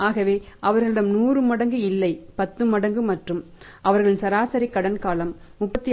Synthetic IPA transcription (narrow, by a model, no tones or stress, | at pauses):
aːɣɐʋeːʔɐʋɐɾɣɐɭɪɽɐmnuːrɯmɐɽɐŋɡɯɪlːɐɪpɐt̪ːɯmɐɽɐŋɡɯmɐʈrɯm | ʔɐʋɐɾɣɐɭɪnsɐɾaːsɐɾɪkːɐɽɐnkaːlɐmːʊpːɐt̪ːɪ